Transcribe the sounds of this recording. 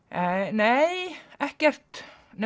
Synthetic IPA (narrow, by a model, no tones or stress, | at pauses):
neːjɛhcɛr̥t̪nɛ